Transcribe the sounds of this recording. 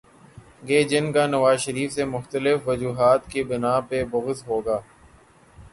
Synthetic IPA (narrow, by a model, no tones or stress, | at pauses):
ɡeːd͡ʒɪnkanɐʋaːzʃəɾiːfsemʊxt̪əlɪfʋɐd͡ʒuːɦaːt̪kebɪnaːpebʊɣɪzɦoːɡaː